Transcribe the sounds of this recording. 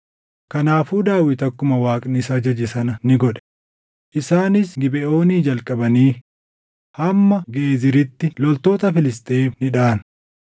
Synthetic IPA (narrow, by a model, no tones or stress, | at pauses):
kɐnaːfuːd̪aːwɪt̪ɐkːʊmɐwaːkʼnɪsɐd͡ʒɐd͡ʒɪsɐnɐnɪɡɔᶑɛ̥ | ʔɪsaːnɪsɡɪbɛʔo̞ːniːd͡ʒɐlkʼɐbɐniː | hɐmːɐɡeːzɪɾɪt̪ːɪlɔlt̪o̞ːt̪ɐfɪlɪst̪ʼeːfnɪᶑaːn